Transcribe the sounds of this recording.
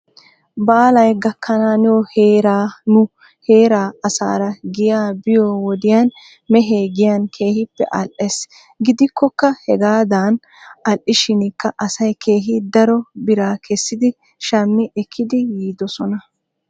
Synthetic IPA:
baːlɐjɡɐkʰːɐnaːnɛwɔheːɾaːnʊ | he̞ːɾaːɐsa̰ːɾɐɡɪjaːbɪjɔwɔd̪ɪjan | mɛɦeːɡɪjɐnkʰe̞ːhɪpːɛ̰ʔɐlʔes | ɡɪd̪ɪkːɔkːɐhɛɡaːd̪aːn | ɐlʔɪʃɪnkːɐʔɐsɐjkʰe̞ːɦɪd̪ɐɾɔbɪɾaːkʰɛsːɪd̪ɪ | ʃɐmːɪʔɛkʰːɪd̪ɪjiːd̪ɔsɔnɐ

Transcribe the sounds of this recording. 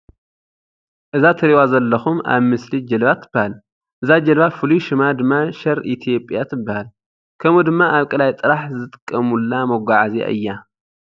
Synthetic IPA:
ʔɨzat̪ʰɐɾiwazɐlːɐxuma̰βmɨslid͡ʒɐlβat̪ʰɨbːahal | ʔɨzad͡ʒɐlβafɨlujʃɨmad̪ɨmːaʃɐɾʔit̪ʰijo̞pʼjat̪ʰɨbːahal | kʰɐmud̪ɨmːaʔaβkʼɨlajt̪ʼɨɾaħzɨt̪ʼɨ̥kʼːɐmulːamɐɡʷaʕazḛʔɨ̰jːa

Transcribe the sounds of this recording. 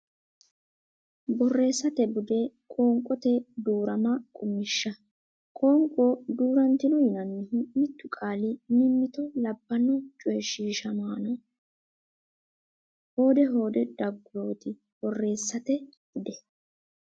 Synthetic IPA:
bɔrːe̞ːsːɐt̪ɛbʊd̪ɛkʼoːŋkʼɔt̪ɛd̪uːɾɐmɐkʼʊmɪʃːɐ | kʼoːŋkʼod̪uːɾɐnt̪ɪnɔjɪnɐnːɪɦɪmɪt̪ːʊkʼaːlɪmɪmːɪt̪ɔlɐbːɐnɔt͡ʃʼɔjɛʃiːʃɐmaːnɔ | ho̞ːd̪ɛɦo̞ːd̪ɛd̪̥ɐɡːʊɾo̞ːt̪ɪ | b̥ɔrːe̞ːsːɐt̪ɛbɪd̪ɛ

